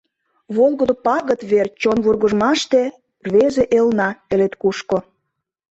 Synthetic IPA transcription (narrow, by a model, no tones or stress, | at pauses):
βolˠɣŏd̪opɑɣət̪βert͡ɕonβurɣəʒmɑʃt̪ĕ | rβeʒeʔelnɑkĕlet̪kuʃko